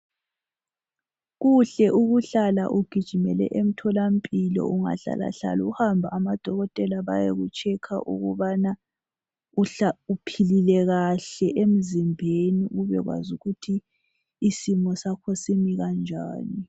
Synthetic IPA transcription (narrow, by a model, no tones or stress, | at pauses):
ɣuɬɛʔuɣuɬala̰ʔuɡ̥ʱid̥ʒ̥ʱimɛlɛ̰ʔem̩tʰɔlam̩pʼilɔ̰ʔuŋa̰ɬa̰la̰ɬa̰lṵuhambʱaːmad̥ʱɔɣɔtʼɛlaβa̰jḛɣut͡ʃʼɛkʰa̰ʔṵɣuβana | uaupʰililɛɣaɬɛʔem̩zimbʱeniɣuβɛ̰ɣwa̰zuɣutʰiː | simɔsakʰɔsimiɣand͡ʒʱa̰ːni